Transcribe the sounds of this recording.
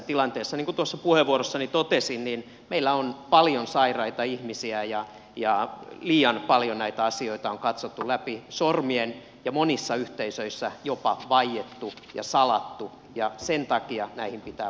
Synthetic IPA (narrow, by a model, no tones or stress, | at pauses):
t̪ilɑnt̪eːsːɑniŋkut̪uosːɑpuheʋʋuoɾosːɑnit̪ot̪esinnin | meilːæonpɑljonsɑirɑit̪ɑihmisiæjɑ | jɑliːɑnpɑljonæit̪æɑsioit̪ɑoŋkɑt̪sot̪ːulæpisormien | jɑmonisːɑyht̪eisøisːæjopɑʋɑijet̪ːu | jɑ̰sɑlɑt̪ːu | jɑsent̪ɑkiɑnæihimpit̪æː